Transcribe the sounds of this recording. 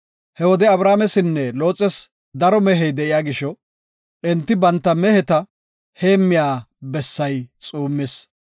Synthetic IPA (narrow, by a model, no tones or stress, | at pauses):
hɛwɔd̪ɛɐbɾaːmɛsɪnːɛlo̞ːt͡sʼːɛs | d̪ɐɾɔmɛɦɛjd̪ɛʔɪjaːɡɪʃɔ | ʔɛnt̪ːɪbɐnt̪ːɐmɛhɛt̪ɐ | he̞ːmːɪjaːbɛsːɐjt͡sʼuːmːɪs